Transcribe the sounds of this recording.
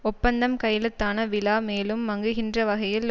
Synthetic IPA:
ɔpːɐnd̪ɐmkɐjɐlɯt̪ːaːnɐʋɪlaːmeːlɯmːɐŋɡɯɣɪndrɐʋɐɣɐjɪl

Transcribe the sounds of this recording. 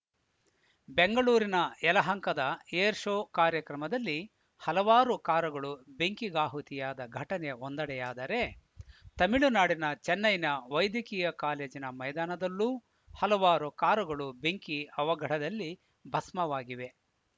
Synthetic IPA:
beŋɡɐɭuːɾinɐɛlɐɦɐŋkɐd̪ɐeːɾʂoːkaːɾjɐkɾɐmɐd̪ɐlːi | hɐlɐʋaːɾukaːɾɐɡɐɭubeŋkiɡaːɦut̪ijaːd̪ɐɡʱɐʈɐneond̪ɐɽɛjaːd̪ɐɾe̞ | t̪ɐmiɭunaːɽinɐt͡ʃɛnːɐjnɐʋɐjd̪jɐkiːjɐkaːleːd͡ʒinɐmɐjd̪aːnɐd̪ɐlːuː | hɐlɐʋaːɾukaːɾuɡɐɭubeŋkiɐʋɐɡʱɐɽɐd̪ɐlːi | bʱɐsmɐʋaːɡiʋe̞

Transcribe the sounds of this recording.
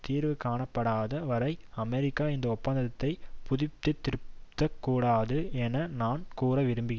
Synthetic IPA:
t̪iːɾʋɯkaːɳɐpːɐɽaːðɐʋɐɾɐɪɐmɛɾɪkːaːɪnd̪ɐɔpːɐnd̪ɐt̪ːɐɪpʊðɪt̪ːɯt̪ːɪɾɯpt̪ːɐkːuːɽaːðɯɛnɐnaːnkuːɾɐʋɪɾɯmbɪɣɪ

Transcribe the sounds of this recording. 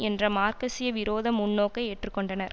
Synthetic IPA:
ɛndrɐmaːɾkɐsɪjɐʋɪɾoːðɐmʊɳːoːkːɐɪeːʈrɯkːɔɳɖɐnɐɾ

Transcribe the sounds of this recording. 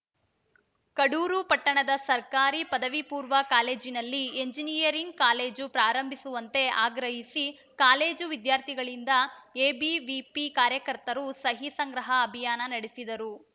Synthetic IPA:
kɐɽuːɾupɐʈːɐɳɐd̪ɐsɐɾkaːɾipɐd̪ɐʋipuːɾʋɐkaːle̞ːd͡ʒinɐlːieɲd͡ʒinijɐɾiŋɡ̚kaːle̞ːd͡ʒupɾaːɾɐmbʱisuʋɐnt̪e̞aːɡɾɐɦisi | kaːle̞ːd͡ʒuʋid̪jaːɾt̪ʰiɡɐɭind̪ɐeːbiʋipikaːɾjɐkɐɾt̪ɐɾusɐɦisɐŋɡɾɐɦɐːbʱijaːnɐnɐɽisid̪ɐɾu

